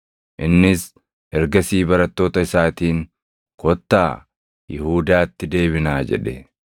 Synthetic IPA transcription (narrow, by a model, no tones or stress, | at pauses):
ʔɪnːɪs | hɛɾɡɐsiːbɐɾɐt̪ːo̞ːt̪ɐɪsaːt̪iːŋ | kɔt̪ːaː | jɪhuːd̪aːt̪ːɪd̪e̞ːβɪnaːd͡ʒɛ̰ᶑɛ